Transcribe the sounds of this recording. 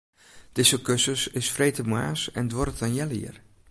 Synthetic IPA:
d̥ɪsəkøsəsɪsfrejtəmwaːsɛndʋɔɾətanjɛlḭər

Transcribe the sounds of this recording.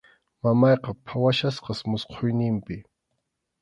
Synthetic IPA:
mamɑjqɑpʰawaʃasqɑsmʊsqʰojnɪmpɪ

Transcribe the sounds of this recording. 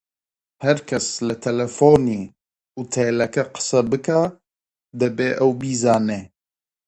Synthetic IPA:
hɛɾkʰɛslɨt̪ʰɛlɛfoːniː | ut̪ʰelɛkɐqɨ̥sɐbɨka | d̪ɨbeːʔɛwbiːzɑːneː

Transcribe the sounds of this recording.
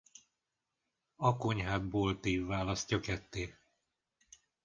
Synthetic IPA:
ɒko̞ɲɦaːd̪̚boːlt̪iːvːaːlɒst̪jɒkɛt̪ːeː

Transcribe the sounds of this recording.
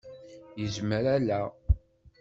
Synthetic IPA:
jəzməɾælæ

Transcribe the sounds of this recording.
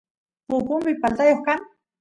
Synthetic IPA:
pʊpʊmpɪpalt̪ajoχkaŋ

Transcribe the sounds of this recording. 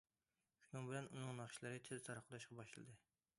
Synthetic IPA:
ʃunɨŋbɪlɛnunɨŋnɑχʃilˠɨɾɨt͡ʃ̪ʰezt̪ʰɑɾɑqʰːlˠɑʃqɑbɑʃlˠɨ̰d̪ɨ

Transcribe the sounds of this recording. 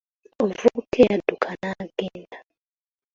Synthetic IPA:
ɔvukʰɛad̥ukʰanaɡ̥inda

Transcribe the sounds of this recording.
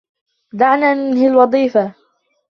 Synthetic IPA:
d̪aʕnanɪnhɪlwɑðˤiːfa

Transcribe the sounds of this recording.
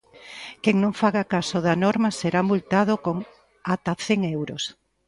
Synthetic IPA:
keŋnõŋfaɣakasoðanɔɾmaseɾamult̪að̞okoŋ | at̪aθeŋewɾos

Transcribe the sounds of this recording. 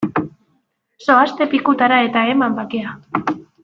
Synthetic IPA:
so̞ast̪e̞pikut̪aɾae̞t̪ae̞mambakea

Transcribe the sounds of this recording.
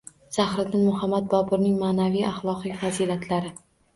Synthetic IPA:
z̥ahɾɪd̪ɪnmʊɦamːad̪̚bɒpʰʊɾnɪŋmaːnavijaχlˠɒqɪkʲvaziːlat̪ʰlaɾɪ

